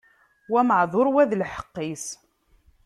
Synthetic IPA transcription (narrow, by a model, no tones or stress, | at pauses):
wæməʕðˤoɾˤwæðlħə̥qːis